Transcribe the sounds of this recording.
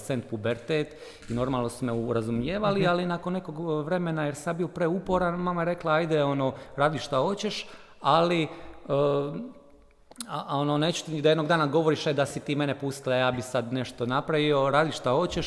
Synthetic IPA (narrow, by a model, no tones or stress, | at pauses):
sent̪̚pubeɾt̪eːt̪ | ino̞ɾmaːlˠno̞sumeuɾazumjeːʋalialinakonːe̞ko̞ɡʋɾe̞me̞najeɾsad̪biopɾeupo̞ɾanmamajeɾe̞klˠaajd̪eo̞no̞ːɾaːd̪iʃʃt̪axo̞t͡ɕe̞ʃ | ali | ononet͡ʃu̥t̪id̪aje̞d̪no̞ɡd̪aːnaɡo̞ʋo̞ɾiʃed̪asit̪iːme̞nepust̪ilˠajaːbisad̪ne̞ʃt̪o̞napɾaʋio̞ɾaːd̪iʃʃt̪aho̞t͡ɕeʃ